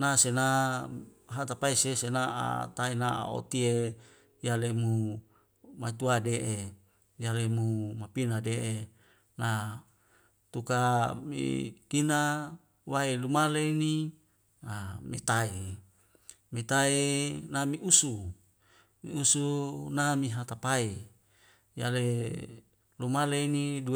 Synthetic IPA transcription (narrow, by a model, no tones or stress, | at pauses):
nasena | ɦat̪apaisesenaa̰t̪ainaa̰o̰t̪ie | jalemu | mat͡ʃ̪uadeʔe | jalemumapinadeʔe | na | t̪ukamḭk̪ina | waelumaleini | amet̪ae | met̪aenamiusu | mḭusunamiɦat̪apae | jale | lumaleinidu